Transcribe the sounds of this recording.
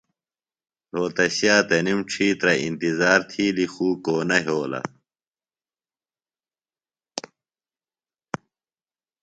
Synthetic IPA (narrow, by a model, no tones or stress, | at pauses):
ɾoːt̪ɐɕjaːt̪ɐnimʈ͡ʂʰiːt̪ɾɐḭnt̪izaːɾt̪ʰiːlixuːkoːnɐɦoːlɐ̰